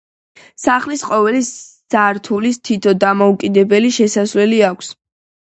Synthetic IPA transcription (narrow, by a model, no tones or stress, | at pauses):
saχlisqʼɔvɛli | z̥aɾt̪ʰulist̪ʰit̪ʰɔd̪amɔukʼid̪ɛbɛliʃɛsasvlɛliakʷʰs